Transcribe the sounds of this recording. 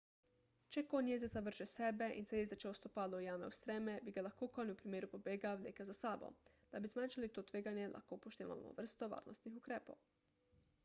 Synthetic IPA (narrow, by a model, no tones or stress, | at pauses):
t͡ʃɛkonjeːzesaʋɾ̩ʒɛsɛbɛʔḭnsɛjezɛt͡ʃɛost̪opaːlojaːmɛust̪ɾɛmɛbiɡalaxkokoniupɾimeːɾupobeːɡaʋlʲḛːkɛzasaːbo̰d̪̥abizmaːnʃalit̪ot̪ʋeːɡanjɛlʔa̰xkoːpoʃt̪eːʋa̰l̰mo̰ʋər̩st̪oʋa̰ːɾnost̪nixukɾeːpow